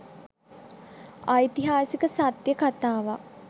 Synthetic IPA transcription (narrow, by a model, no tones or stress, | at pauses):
ajt̪iɦaːsikəsat̪jəkat̪aːʋa